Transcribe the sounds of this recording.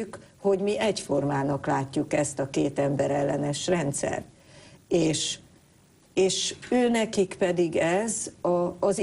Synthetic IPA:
kho̞ɟmiʔɛcfo̞rmaːnɒklaːcːukɛst̪ɒkeːt̪ɛmbɛɾɛlːɛnɛʃrɛnt̪sɛ̰rt̪ | eːʃ | eːʃøːnɛkikpɛd̪iɡɛzɒːz

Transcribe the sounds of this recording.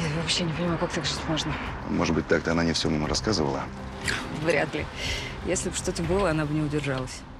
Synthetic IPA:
avɐpɕːenʲɪpənʲɪmajʊkak̚t̪aɡʐt̪ʲlˠoʐnə | moʐɨd̪bɨt̚ʲt̪akt̪əɐnanʲɪfsʲomomɾɐskazɨvə̰lˠə̰ | vɾʲa̰t̪lʲɪ̰ | jesʲlʲɪbʂt̪o̞t̪əbɨlˠəɐnabɨnʲɪʊdʲɪrʐalˠəsʲ

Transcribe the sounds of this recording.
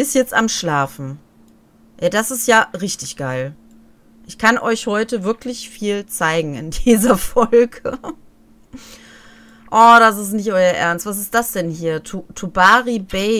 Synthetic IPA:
ɪstjɛt͡stamʃlaːfn̩ | jaːdasɪstjaːʁɪçtɪçɡ̥aɪl | ʔɪçkʰanʔɔʏçhɔʏtəvɪɐklɪçfiːlt͡saɪɡŋ̩ɪ̰ndiːzɐfɔlɡə | ʔɔd̥as̬ɪstnɪç̬tʔɔʏɐʔɛ̰ɐnstv̥as̬ɪst̚d̥asd̥ɛnhiːɐtʰutʰubaːʁibɛɪ

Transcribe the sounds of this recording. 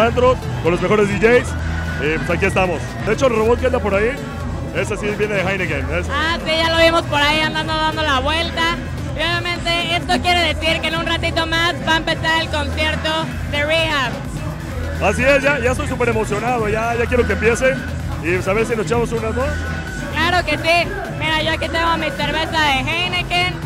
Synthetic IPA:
and̪ɾot̪konlozme̞xo̞ɾezðiʝejsepwesakie̞st̪amos | d̪eet͡ʃolroβot̪̚keand̪apo̞ɾai | esasiβje̞neðexajneɣenesasiʝalo̞βimo̞spo̞ɾaiand̪and̪oðand̪olaβwe̞lt̪a | io̞βjamẽ̞nt̪e̞e̞st̪o̞kje̞ɾe̞ðe̞siɾkenunrat̪it̪o̞mazβaempe̞saɾe̞lko̞nsje̞ɾt̪o̞ | ðe̞rihaβ | asiesʝaʝaest̪ojsupe̞ɾemo̞sjonaðoʝaʝak̬jeɾo̞kempje̞se | isaβeɾs̬inost͡ʃamosunazos | klaɾo̞ke̞si | miɾaʝo̞akit̪eŋɡoamiseɾβe̞saðe̞xajneken

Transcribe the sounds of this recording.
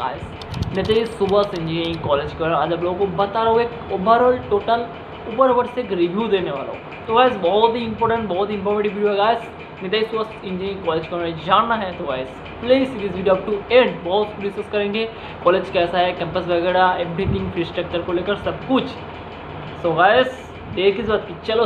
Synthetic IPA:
a̰ːɪs | nɪt̪ɐisʊbəsɪ̃ɲd͡ʒiɪ̃ŋkɔːleːd͡ʒkɐ̃ad͡ʒɐbloːɡõkobɐt̪aɾeɦoeːkʊbəɾəlʈoːʈəl | ʊbəɾʋəɽsekɾibjud̪eːneʋa̰ːla̰o | t̪ʰoɡaːɪzbɔɦʊt̪ɦiɪ̃mpɔːɾʈə̃ɳʈbɔɦɔt̪ɪ̃mfʰɔːɾmeʈibʋiːɖioɦɛɡaːɪz | nɪt̪aisosɪ̃nd͡ʒẽːɪ̃ŋkɔːleːd͡ʒkomːd͡ʒaːnːaɦɛt̪ʰoɡaːɪz | pleːsɪʈizʋiːɖɐp̚ʈuẽɖbɔɦʊt̪skulisoːskɐɾẽːŋɡe | kɔːleːd͡ʒkɛːsaɦɛkɛ̃ːmpəsbɐɡɛːɾaeːbɾit̪ʰɪ̃ŋɡfɾisʈək̚ʈəɾkoleːkəɾsɐbkʊt͡ʃʰ | soɡaːɪz | ɖeːɾkizbat̪̚kit͡ʃɐlo

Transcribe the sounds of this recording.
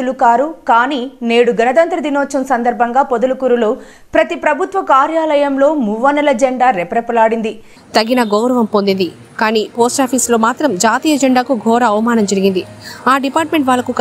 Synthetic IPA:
lukaːɾukaːniːne̞ːɽuɡɐnɐd̪ɐnt̪ɾɐd̪inoːt͡ʃɐmsɐnd̪ɐɾbʱɐŋɡaːpod̪ulukuɾuloː | pɾɐt̪ipɾɐbʱut̪ʋɐkaːɾjaːlɐjɐmlo̞ːmuʋɐnɐlɐd͡ʒɛɳɖaːɾepɐɾɐpɐlaːɽind̪i | t̪ɐɡinɐɡɔwɾɐʋɐmpo̞nd̪ind̪i | kaːniːpoːsʈaːpʰiːslo̞ːmaːt̪ɾɐmd͡ʒaːt̪iːjɐd͡ʒɛɳɖaːkuɡʱɔːɾɐːʋɐmaːnɐmd͡ʒɐɾiɡind̪iaːɖipaːʈme̞ɳʈʋaːlːɐkuk

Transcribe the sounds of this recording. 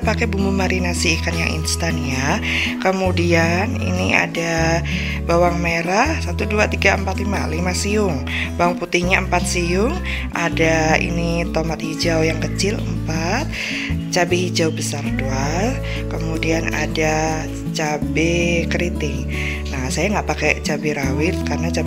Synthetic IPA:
pakɛbumbumaɾinasikanja̰ŋʔḭnst̪anja | kəmudianḭnia̰da | bawaŋmeɾahsat̪uduat̪iɡaəmpat̪limalimasiʊŋ | bawaŋput̪ɪhɲaəmpat̪̚sijʊŋ | ʔadaḭnit̪omat̪̚hid͡ʒawjaŋkət͡ʃɪlə̰mpat̪̚ | t͡ʃabehid͡ʒawbəsardual | kəmudiana̰da | t͡ʃabɛkəɾit̪ɪŋ | nahsajaŋɡaʔpakɛt͡ʃabeɾawɪt̪̚karnat͡ʃa

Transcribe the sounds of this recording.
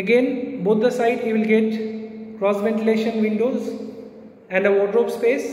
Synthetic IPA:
əɡẽnboːt̪̚ʰd̪əsaɪʈiʋɪlɡeʈkɾɔːsʋɛ̃ɳʈɪleːʃə̃nʋɪ̃ɳɖoːz | ɛ̃ɳɖəʋɔːɖɾoːpspeːs

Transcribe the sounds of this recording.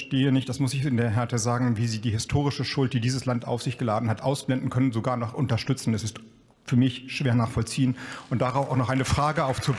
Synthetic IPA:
ʃteːənɪçtd̥asmʊsɪçɪndeːɐɦɛɐtəzaːɡŋ̩viːziːdiːhɪstʰoːʁɪʃəʃʊlt̚d̥iːdiːzəslanta̰ʊfz̥ɪçɡ̥əlaːdn̩hatʔaʊsb̥lɛndn̩kʰœnən̩zoɡaːɐnɔχʔʊntɐʃtʏt͡sn̩ɛsɪst | fyːɐmɪçʃv̥eːɐnaːχfɔlt͡siːənʊntd̥aʁaʊfaʊxnɔχʔaɪnəfʁ̥aːɡəaʊft͡su

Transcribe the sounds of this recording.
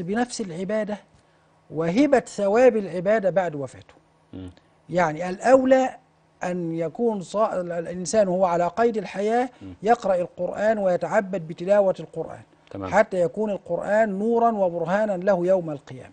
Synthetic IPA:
bɪnafsɪlʕɪbaːd̪a | wɪɦɪbaθawaːbalʕɪbaːd̪abaʕd̪wafa̰ːt̪hʊ̥ | jaʕniʔalʔawlaː | ʔanjakuːnsˤɑːʔlʔɪnsaːnhʊwːaʕalaːqɑjd̪alħajaːjɑqɾˤɑʔalqʊɾʔaːnwɪjat̪aʕabːad̪̚bɪt̪ɪlaːwaalqʊɾʔa̰ːn | ħat̪ːaːjakuːnalqʊɾʔaːnːuːɾˤɑnwabʊɾɦaːnanlahjawmalqɨja̰ːma

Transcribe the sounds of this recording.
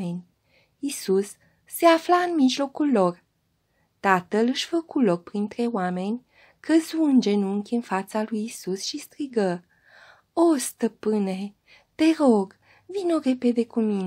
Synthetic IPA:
enʲ | isusː | e̞aflaɨnmiʒlo̞kulːo̞r | t̪at̪əlɨʃfəkulo̞k̚pɾint̪ɾe̞wame̞nʲ | kəzuɨnd͡ʒe̞nuŋkʲɨnfat̪salujisusʃist̪ɾiɡə | ost̪əpɨne̞ | t̪e̞ɾo̞ɡ | vino̞ɾe̞pe̞d̪e̞kumin

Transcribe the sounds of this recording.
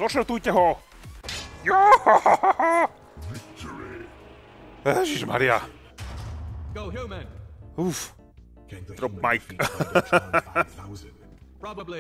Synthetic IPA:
zɔʃəɾt̪ujcɛɦɔ | jo | ɛʒiʒma̰ɾia̰ | ɡ̥oʊɦumɛnuf | t̪ɾɔp̚majk | pʰɹ̥ɑbəbli

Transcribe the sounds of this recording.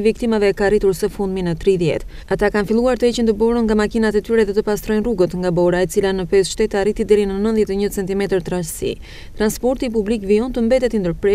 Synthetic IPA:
vikt̪imavɛkarit̪uɾsəfund̪minət̪ɾiðjɛ̰t̪ | at̪akanfilˠuaɾt̪əɛt͡ɕənt̪əbɔɾənŋɡamakinat̪ɛt̪yɾɛðɛt̪əpast̪ɾɔjnruɡət̪ŋɡabɔɾaɛt͡silanəpɛsʃt̪ɛt̪aɾit̪id̪ɛɾinənənðjɛt̪ɛɲət͡sɛnt̪imɛt̪əɾt̪ɾassḭ | t̪ɾanspɔɾt̪ip̬ublikviɔnt̪əmbɛt̪ɛt̪ind̪əɾpɾɛ

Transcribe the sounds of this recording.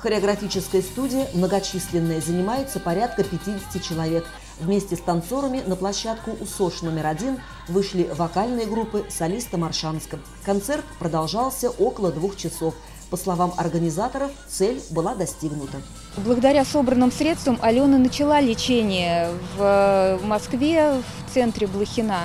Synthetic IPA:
xəɾʲɪɐɡɾɐfʲit͡ɕɪskəjəst̪udʲɪjəmnəɡɐt͡ɕisʲlʲɪnːəjəzənʲɪmajɪt̪səpɐɾʲat̪̚kəpʲɪtʲidʲɪsʲɪtʲɪt͡ɕɪlˠɐvʲe̞k | vmʲesʲtʲɪst̪ɐnt̪so̞ɾəmʲɪnəplˠɐɕːat̪kʊʔʊso̞ʂno̞mʲɪɾɐdʲin | vɨʂlʲivɐkalʲnɨjəɡɾupːɨsɐlʲist̪əmɐrʂanskəm | kɐnt̪sɛrt̪pɾəd̪ɐlˠʐɑlˠsʲəʔo̞kəlˠəd̪vuxt͡ɕɪso̞f | pəslˠɐvamɐrɡənʲɪzat̪əɾəft̪sɛlʲbɨlˠad̪ɐsʲtʲiɡnʊt̪ə | blˠəɡəd̪ɐɾʲaso̞bɾənːɨmsɾʲe̞t̪st̪vəmʔɐlʲonɨnət͡ɕɪlˠalʲɪt͡ɕenʲɪjəvəmɐskvʲeft̪sɛnt̪ɾʲɪblˠəxʲɪna

